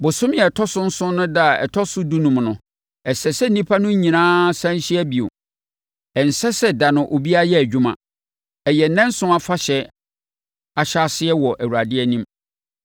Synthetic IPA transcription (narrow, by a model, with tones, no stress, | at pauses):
bʊ˨sʊ̃˦mjɛ˨tʰɔ˦sʊ̃˦n̩˦sʊ̃˦nʊ̃˦da˦˨ɛ̰˨tʰɔ˦sʊ˦du˦nũ˨mnʊ̃˨ | ɛ˨sɛ˨sɛ˦n̩˦nĩ˦pʰa˦nʊ̃˦ɲ˦ɲĩ˨nãː˦sã˦n˦ɕɪ˦ɛ˦bi˨o̰˨ | ɛ˨n̩˨sɛ˦sɛ˦da˨nʊ̃˨ʔo˨bi˦a˦jɛ˦æ˨d͡ʑᶣu˦mã̰˨ | ɛ˨jɛ˨nɛ̃˦n˦sʊ̃˦a˦fa˦ɕɛ˨ | a˨ɕa˦sɪ˦ɛ˦wɔ˨ʔæ˨wu˨ɾa˨dɪ˦ɛ˦nĩ˦m